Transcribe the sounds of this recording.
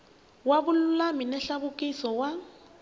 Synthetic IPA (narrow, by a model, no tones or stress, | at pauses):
wabʊlʊlaminɛɬabʊkʼisɔwa